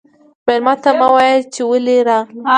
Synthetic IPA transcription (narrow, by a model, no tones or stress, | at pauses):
meɾmɑt̪amawɑjəlt͡ʃewəleɾa